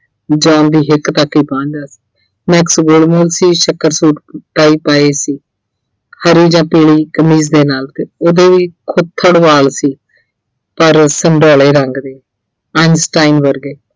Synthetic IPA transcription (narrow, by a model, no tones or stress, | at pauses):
d͡ʒãːnd̪iːɦɪkt̪akːiːpãːɲd̪aːsi̥ː | mɛksɡoːlmoːlsiːʃəkəɾsuːʈʈaːiːpaːeːsiː | həɾiːd͡ʒãːpeːliːkəmiːzd̪eːnaːlt̪eːoːd̪eːʋiːkʰʊt̪ʰːəɽʋaːlsiː | pəɾsəɳɖoːleːɾəŋɡd̪eː | ənsʈaːinʋəɾɡeː